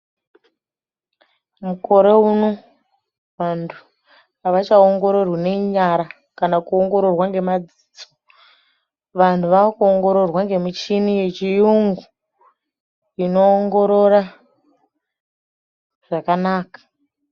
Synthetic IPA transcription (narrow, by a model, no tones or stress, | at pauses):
muko̞ɾe̞uno | ʋantʰu | aʋat͡ʃaoŋɡo̞ɾo̞rwane̞ɲaɾa | kanakuoŋɡo̞ɾo̞rwaŋɡe̞mad͡zit͡so | ʋantʰuʋakuoŋɡo̞ɾo̞rwaŋɡe̞mit͡ʃinije̞t͡ʃijuŋɡu | ino̞ːŋɡo̞ɾo̞ɾa | ʐ̥akanaːkḁ